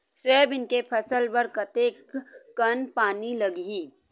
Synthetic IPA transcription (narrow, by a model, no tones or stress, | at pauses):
sɛːbɪnkepʰɐsəlpɐɾkɐt̪eːkːɐnpaːnilɐɡɦiː